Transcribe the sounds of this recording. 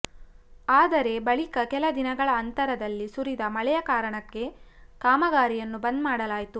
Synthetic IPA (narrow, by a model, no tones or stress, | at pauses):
aːd̪ɐɾe̞bɐɭikɐkɛlɐd̪inɐɡɐɭɐːnt̪ɐɾɐd̪ɐlːisuɾid̪ɐmɐɭɛjɐkaːɾɐɳɐkːe̞ | kaːmɐɡaːɾijɐnːubɐnd̪maːɽɐlaːjit̪u